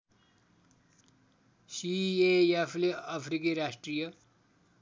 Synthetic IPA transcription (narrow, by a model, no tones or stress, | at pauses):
sieefʰleapʰɾikiɾasʈrɾijʌ